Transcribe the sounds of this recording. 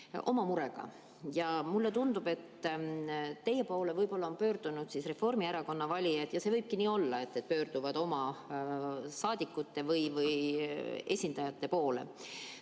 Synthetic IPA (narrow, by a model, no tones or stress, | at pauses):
ʔo̞̰mɑmuɾe̞ɡ̥ɑ̰ | jɑmulːet̪und̪ub̥e̞t̪ː | eje̞po̞ːle̞vɤjbo̞lːɑo̞npø̞ːɾd̪̥unud̪̥sisre̞fo̞rmieɾɑko̞nːɑvɑlʲiɑd̪̥jɑse̞vɤjb̥̚kiniːo̞lːɑe̞t̪ːe̞t̪̚pø̞ːrd̪̥uvɑd̪o̞mɑ | sɑːd̪̥ikːˑut̪ːe̞vɯjvɯj | e̞̰sʲind̪̥ɑjɑt̪ːe̞po̞ːle̞̰